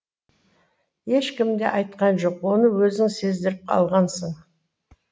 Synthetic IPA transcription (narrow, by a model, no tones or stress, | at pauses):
je̞ʃkʲɪmd̪e̞̰ʔɑjt̪̚qɑnʒo̞qwo̞nəwɵzɪŋse̞zd̪ɪɾɪp̚qʰɑ̰lˠʁɑnsəɴ